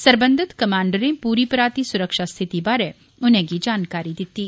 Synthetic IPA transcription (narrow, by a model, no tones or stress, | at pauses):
səɾbə̃nd̪ʱɪt̪kɐmãːɳɖəɾẽpuːɾipɾaːt̪isʊɾəkʃast̪ʰɪt̪ibaːɾɛ | ʊnɦẽɡid͡ʒaːnkaːɾid̪ɪt̪ːiː